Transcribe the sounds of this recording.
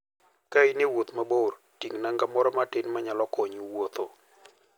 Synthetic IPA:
kainewot̪mabor | tiŋnaŋɡamɔɾɔmatɪnmaɲalɔkɔɲuwot̪o

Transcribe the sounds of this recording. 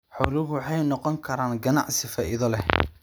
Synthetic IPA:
ħɔlɪɣʊwħɑjnɔqɔŋkʰɐɾaːnɡɐnɑ̰ʕsɪfaːʔɪðɐlɛ

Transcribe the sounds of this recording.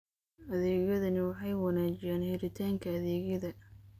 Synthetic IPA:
ʔɐðɛːɣjɐðɐnɪwɑħɑjwɑnaːt͡ʃɪjaːnhɛɾɪt̪ʰaːŋkʰɐːðɛːɣjɐðɐ

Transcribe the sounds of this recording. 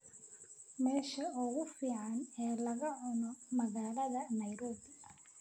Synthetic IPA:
mɛːʃɐɔɣʊfiːʕɑnɛːlɐɣɐʕɔnɔmɐɣaːlɐðɐnɐjɾɔːd̪

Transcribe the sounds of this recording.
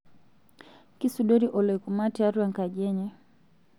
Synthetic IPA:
kisuɗɔɾiʔɔlɔikumatiaɾuaŋkaʄɛɲɛ

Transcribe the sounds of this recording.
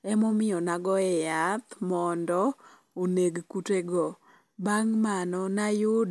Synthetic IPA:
ɛmɔmɪjɔnaɡɔɛjat̪mɔndɔ | oneɡkuteɡɔ | baŋmanɔnajʊd

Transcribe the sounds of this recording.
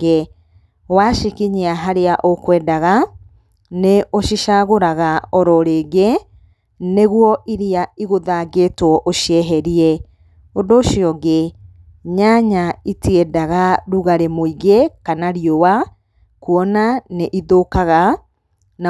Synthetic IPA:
e | waʃikiɲeaɦaɾeaʔokwɛdaɣa | neʔoʃiʃaɣoɾaɣaɔɾɔɾeːɣe | neɣwɔʔiɾiaiɣoðaɡeːtwɔʔoʃiɛɦɛɾiɛ | ondoːʃiɔɣe | ɲaɲaitiɛdaɣaɾuɣaɾemoiɣekanaɾiowa | kuɔnaneʔiðokaɣa | na

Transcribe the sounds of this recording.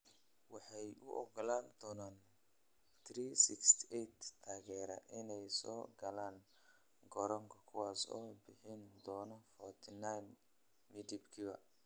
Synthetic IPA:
wɑħɑjʊʔɔ̰ɡɔlaːnd̪ɔːnaːn | t̪ʰriːsɪkst̪ʰʔɛjt̪t̪ʰaːɣɛːɾɐ̰ʔɪnɛjsɔːɡɐlaːn | ɡɔɾɔŋkʰɐkʰʊwɑːsɔ̰ːbɪħɪnd̪ɔːnɔfɔrt̪ʰɪnajn | mɪd̪ibkʰibɐ

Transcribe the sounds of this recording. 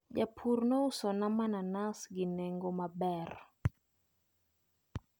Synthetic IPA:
d͡ʒapʰurnousɔnamananasɡɪnɛŋɡɔmabɛr

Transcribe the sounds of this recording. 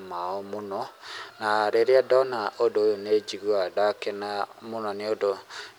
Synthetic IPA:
maɔmonɔnaɾeɾeadɔnaʔodoːjoned͡ʒiɣwadakenamonɔneodo

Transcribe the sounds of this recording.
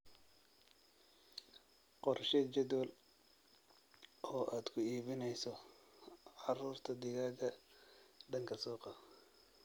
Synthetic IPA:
qɔrʃɛt͡ʃɛd̪wɔl | ɔːʔaːd̪kʰʊiːβɪnɛjsɔ | ʕɑruːrt̪ʰɐd̪ɪɣaːɡɐ | ɖɐŋkʰɐsɔːqɑ

